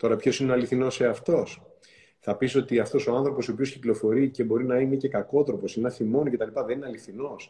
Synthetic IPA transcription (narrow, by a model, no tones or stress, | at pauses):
t̪o̞ɾɐpço̞sineoɐliθino̞se̞ɐft̪o̞s | θɐpiso̞t̪iɐft̪o̞so̞aɐnθɾo̞po̞sopiosciklo̞fo̞ɾice̞bo̞ɾinɐinece̞kɐko̞t̪ɾo̞po̞sinɐθimo̞nice̞t̪ɐlipɐðenineɐliθino̞s